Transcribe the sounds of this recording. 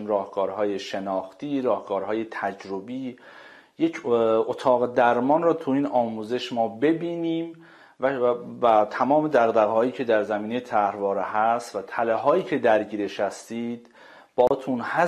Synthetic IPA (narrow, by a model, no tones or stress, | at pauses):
mɾɒːhɡɒːɾɦɒːjeʃenɒːxt̪iːɾɒːhɡɒːɾɦɒːjet̪ʰæd͡ʒɾobiː | je̞cʰot̪ʰɒːɣed̪æɾmɒːnrɒːt̪ʰuiːnɒːmuːze̞ʃmɒːbe̞biːniːm | væt̪ʰæmɒːme̞d̪æɣd̪æɣhɒːjiːcʰe̞d̪æɾzæmiːnejet̪ʰæhɾvɒːɾehæst̪væt̪ʰæleɦɒːjiːcʰe̞d̪æɾɟiːɾeʃæst̪iːd̪̥ | b̥ɒːt̪ʰunhæ